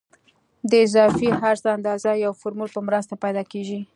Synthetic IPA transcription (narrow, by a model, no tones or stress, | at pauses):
d̪əɪzɑfiɦaɾt̪aand̪ɑzajawfʊɾmulpəmɾəst̪apajd̪ɑkeʒi